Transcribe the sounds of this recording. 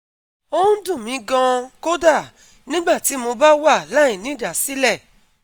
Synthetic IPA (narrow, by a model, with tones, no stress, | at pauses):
o˦dũ˦˨mĩ˨˧˦ɡã˧ko˦da˦˨ | nĩ˦ɡ͡ba˦˨ti˨˦mo˧ba˦wa˦˨la˦ĩ˨nĩ˦˨da˨si˨˦lɛ˦˨